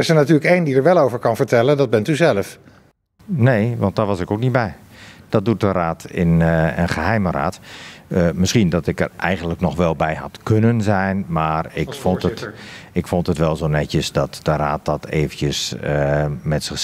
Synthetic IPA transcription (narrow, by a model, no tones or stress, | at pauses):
ɪsənatyːləkejndidəɹʋɛlˠoːwvəɹkɑnvəɹtɛləndɔd̚bɛntyzɛləf | neːʋɑnt̚dɔʋɔsɪkowk̚nit̚bɛjd̥ɔt̚dut̚dəraːtɪ̰nə̰nχəɦɛjməra̰ːt | mɪsxindɔtɪkə̰rʔɛjɣəndləknɔxʋɛlˠbɛjha̰tkʰønənzɛjnmaːrɪkfontətɪkfontətʋɛlˠzoːnɛtjəsdɔtd̥əraːt̚d̥ɔtʰḛːvənjəsəmɛtsɪx